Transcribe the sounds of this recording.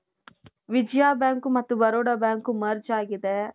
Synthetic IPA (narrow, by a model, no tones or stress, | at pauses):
ʋid͡ʒjaːbjaːŋkumɐt̪ːubɐɾoːɽɐbjaːŋkumɐɾt͡ʃaːɡid̪e